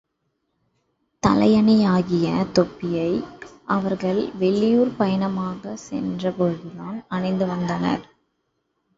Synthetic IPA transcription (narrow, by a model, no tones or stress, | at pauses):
t̪ɐlɐjɐnɪjaːɣɪjɐt̪ɔpːɪjɐɪʔɐʋɐɾɣɐɭʋɛɭːɪjuːɾpɐjɐnɐmaːɣɐsɛ̰ndrɐpɔɻɯðɯðaːnɐɳɐɪnd̪ɯʋɐnd̪ɐnɐ̰ɾ